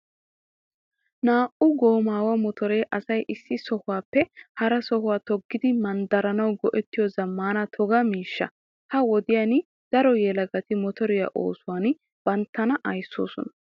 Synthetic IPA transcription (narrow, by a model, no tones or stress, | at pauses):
naːʔʊɡo̞ːmaːwɐmɔt̪ɔɾeːʔɐsɐjʔɪsːɪsɔhʊwaːpːɛhɐɾɐsɔɦʊwaːt̪ɔɡːɪd̪ɪmɐnd̪ɐɾɐnɐwɡɔʔɛt̪ːɪjɔzɐmːaːnɐt̪ʰɔɡɐmiːʃːɐ̰ | hɐwɔd̪ɪjaːnɪ | d̪̥ɐɾɔjɛlɐɡɐt̪ɪmɔt̪ɔɾɪjɐ̰ʔo̰ːsʊwaːn | b̥ɐnt̪ːɐnɐʔɐjsːo̰ːsɔ̰nɐ